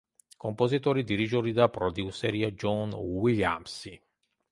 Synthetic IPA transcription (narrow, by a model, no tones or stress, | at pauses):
kompozit̪oːɾid̪iɾid͡ʒoːɾid̪apɾɔd̪iuseɾiːad͡ʒɔnwilja̰msi